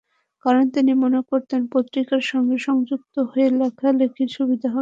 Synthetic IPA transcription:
kaɾont̪inimonekoɾt̪enpot̪ːɾikaɾʃɔŋɡeʃɔŋd͡ʑuk̚t̪oɦoelekʰalekʰiɾʃubid̪ʱaɦɔ

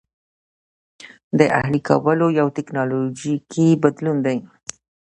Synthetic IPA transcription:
d̪əʔa̰hlikʰa̰wəlojawt̪ɪknɑlod͡ʒikʰibad̪lund̪aj

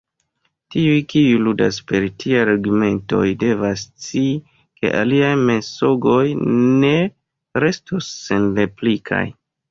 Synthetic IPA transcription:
tiujkiuludaspe̞ɾtʰiajɾaɡume̞nto̞jde̞vast͡si | ke̞̰ʔaliajme̞so̞ɡo̞jne̞ | ɾe̞stosːe̞nle̞plikʰa̰j

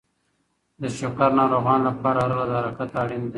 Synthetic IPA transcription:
d̪əʃokaɾnɑɾoɣɑnlapɑɾaɾlad̪aɾakat̪aɽind̪e

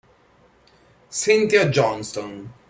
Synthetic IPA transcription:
sɪ̃nt̪jad͡ʒɔnst̪ɔn

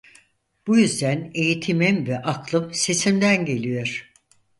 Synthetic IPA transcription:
b̥ujyzd̪æne̞jit̪ʰimimvɛʔakʰlˠɯmse̞simd̪ænɟe̞lʲijoɾ̥

